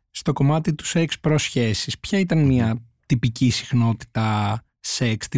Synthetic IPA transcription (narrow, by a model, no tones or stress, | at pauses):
st̪o̞ko̞mɐt̪it̪u̥sekspɾo̞sçe̞sispçɐit̪ɐnmiɐ | t̪ipicisi̥xno̞t̪i̥t̪ɐ | sekst̪i